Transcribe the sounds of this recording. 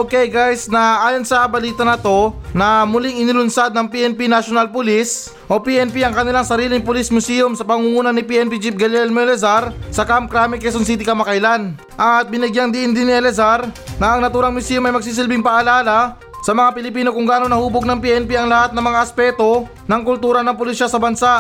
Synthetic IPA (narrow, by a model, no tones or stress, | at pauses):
ʔokɛjɡajsnɐʔaːjonsɐbɐliːt̪ɐnɐt̪o̞nɐmʊlɪŋɪnɪlʊnsad̪̚nɐŋpiʔɛnpinaʃonalpʊlis | ʔopiʔɛnpiɐŋkɐnɪlaŋsɐɾiːlɪŋpʊlismʊsiːomsɐpɐŋuŋuːnɐnɪpiɛnpid͡ʒip̚ɡɐlɛlmɛlɛzaɾsɐkamkɾamɪkɛs̬ons̬it̪̬ɪkɐmɐkajlan | ʔɐt̪̚bɪnɪɡjaŋd̪ɪʔɪnd̪ɪnːɪʔɛlɛzaɾnɐʔɐŋnɐt̪uːɾɐŋmʊsiːjomɐjmɐɡ̚s̬iːs̬ɪlbɪŋpɐʔɐlaːlɐ | sɐmɐŋapɪlɪpiːno̞kʊŋɡaʔanonɐhuːboɡ̚nɐŋpiʔɛnpiɐŋlɐhat̪̚nɐmɐŋaʔɐspɛt̪o̞ | nɐŋkʊlt̪uːɾɐnɐŋpʊlisasɐbɐnsaʔ